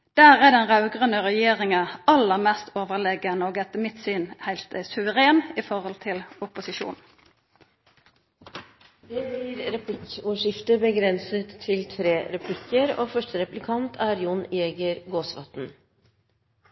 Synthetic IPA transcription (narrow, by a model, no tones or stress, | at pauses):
d̪̥æːʁæːd̪ɛnʁɑʉɡʁənəʁɛjeːʁɪŋəɑlːəʁmɛst̪ʰoːʋəʁlɛɡənəoːɡɛt̪ːəmɪt̪syːnhæɪlt̪əsʉʋəʁeːnifɔʁhɔlt̪ʰɪlʊpʊsɪʃṵːn | d̪eːbliːɾɾɛpʰlɪkuʂɪft̪əbəɡɾɛnsət̪ʰːɪlt̪ʰɾeːɾɛpʰlɪkəɾo̰ːfœʂʈəɾɛplɪkʰɑnt̪ʰæːɾjʊneːɡəɾɡoːsʋɑt̪n̩